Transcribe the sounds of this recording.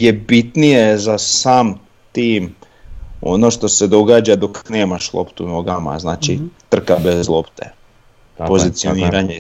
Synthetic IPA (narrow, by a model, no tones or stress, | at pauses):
je̞bit̪nije̞zasaːm | t̪iːm | o̞̰no̞ʃt̪o̞se̞d̪o̞ɡaːd͡ʒad̪o̞kne̞ːmaʃlˠo̞̰pt̪unoɡama̰znaːt͡ʃit̪r̩kabezlˠopt̪ḛ | po̞zit̪sioniːɾaɲe